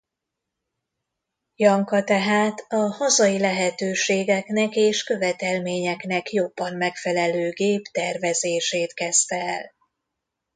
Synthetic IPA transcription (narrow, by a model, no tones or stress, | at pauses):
jɒŋkɒt̪ɛɦaːt̪ɒhɒzɒjilɛɦɛt̪øːʃeːɡɛknɛkeːʃkø̞vɛt̪ɛlmeːɲɛknɛkjo̞bːɒmmɛkfɛlɛløːɡeːpt̪ɛrvɛzeːʃeːt̪kɛst̪ɛɛl